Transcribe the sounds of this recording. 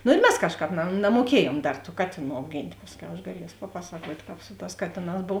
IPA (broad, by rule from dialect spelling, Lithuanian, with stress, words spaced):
nʊ ɪr ˈmʲɛs ˈkɑːʃˌkɑːp nɐ nɐmuɔˈkʲiɛjuɔm ˈdɐr tuː ˈkɑːtʲeːˌnuː ɐʊˈɡʲɪnʲtʲ ˈpɑːsʲˌkʲɛʊ ɐʃ ɡɐˈlʲiɛs pɐˈpɑːsɐkuɔtʲ ˈkɑːp ˈsʊ ˌtɑːs ˈkɑːtʲeːˌnɑːs ˈboːw